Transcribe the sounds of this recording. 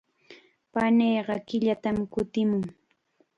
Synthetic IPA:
panejːɢɑkɪʎat̪amkʊt̪ɪmʊŋ

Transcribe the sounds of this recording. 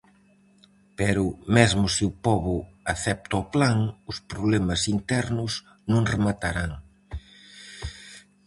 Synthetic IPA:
pɛɾʊmɛzmʊsɪʊpɔβʊaθɛp̚t̪aɔplaŋʊspɾoβlɛmɐsint̪ɛɾnʊs | nõŋremat̪aɾaŋ

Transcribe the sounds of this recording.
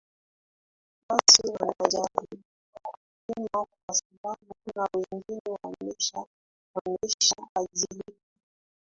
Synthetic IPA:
watiwanaʄali | k | pimawasaɓaɓunawɛŋɡinɛwamɛʃa | manɛʃaaʄili

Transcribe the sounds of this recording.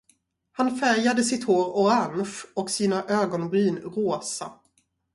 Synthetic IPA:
hanfæɾjad̪əsɪt̪hoːɾɔanfɔksiːnaʔøːɡɔnbyːnɾoːsa

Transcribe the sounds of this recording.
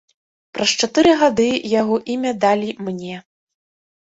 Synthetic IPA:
pɾɐst͡ʂat̪ɨɾɨɣad̪ɨjaɣɔʔimʲɐd̪alʲimnʲɛ

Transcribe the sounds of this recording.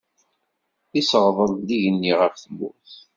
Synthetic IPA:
isəʁðˤəðˤliʝənːiʁəfθmːṵθ

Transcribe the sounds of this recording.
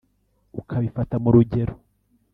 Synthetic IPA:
ukʰaβifatamuɾuɟe̞ɾo

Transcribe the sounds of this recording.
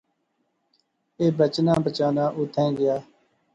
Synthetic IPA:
eːbət͡ʃnãːbət͡ʃaːnãːʔʊt̪ʰɛ̃ːɡɪjaː

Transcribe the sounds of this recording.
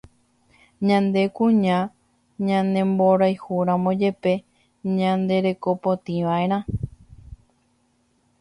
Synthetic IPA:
ɲãnd̪e̞kũɲã | ɲãnẽ̞mbo̞ɾajhuɾãmõd͡ʒe̞pe̞ | ɲãnd̪e̞ɾe̞ko̞pot̪ĩʋaʔe̞ɾ̃ã

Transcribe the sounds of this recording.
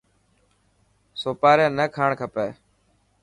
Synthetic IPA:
soːpaːɾẽːnəkʰaːɳkʰəpeː

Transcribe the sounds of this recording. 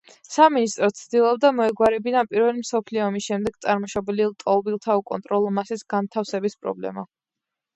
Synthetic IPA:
saminist̪ʼɾɔt̪sʰd̪ilˠɔb̚d̪amɔɛɡwaɾɛbinapʼiɾvɛlimsɔpʰliɔːmisʃɛmd̪ɛɡ̚t̪sʼaɾmɔʃɔbɛlilˠt̪ʼɔlˠbilˠt̪ʰaukʼɔ̰nt̪ʼɾɔlˠɔmasisɡant̪ʰafsɛbispʼɾɔ̰blɛ̰ma̰

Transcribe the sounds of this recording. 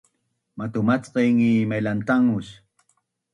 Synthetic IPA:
mat̪ʊmat͡sqeŋimajlant̪aŋʊʃ

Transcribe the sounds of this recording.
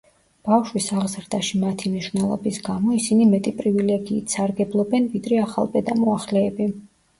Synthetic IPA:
b̥afʃwisaʁzɾd̪aʃimat̪ʰimniʃwnɛlˠɔ̰bisɡamɔisinimɛt̪ʼipʼɾivilɛɡiːt̪ʰsaɾɡɛblˠɔbɛnvid̪ɾɛaχa̰lˠpʼɛd̪amɔaχlɛːbi

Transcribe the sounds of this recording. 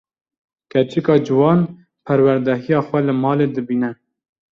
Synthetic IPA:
kʰɛt͡ʃʰikɑːd͡ʒɨwɑːn | pʰæɾwæɾd̪ɛɦijɑːxʷɛlɨmɑːled̪ɨbiːnɛ

